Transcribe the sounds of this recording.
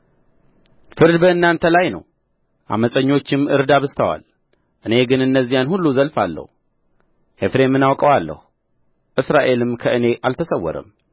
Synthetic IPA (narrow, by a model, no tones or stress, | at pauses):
fɨɾd̪bəɨnːant̪ʰəlajnə̰w | ʔa̰məsʼəɲːo̞t͡ʃːɪmɨɾd̪aβɨst̪ʰəwa̰l | ʔɨne̞ɡɨnɨnːəzːijanhulːuzəlfalːə̰hu | he̞fɾe̞mːɨnawkʼəwalːə̰hu | ʔɨsɾaʔe̞lɨmkʰəɨne̞ʔalt̪ʰəsəwːɔ̰ɾə̰m